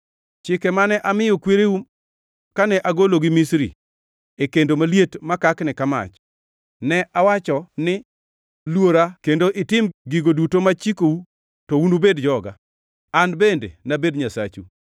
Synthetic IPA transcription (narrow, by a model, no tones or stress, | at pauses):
t͡ʃɪkɛmanɛʔamɪjɔkweɾeu | kanɛʔaɡoloɡɪmisɾḭ | ekendomaljetmakaknɛkama̰t͡ʃ | nɛʔawat͡ʃɔnɪ | lwoɾakendoʔɪtɪmɡiɡodutomat͡ʃikou | tɔunubedd͡ʒɔɡa̰ | anbendḛnabedɲasa̰t͡ʃu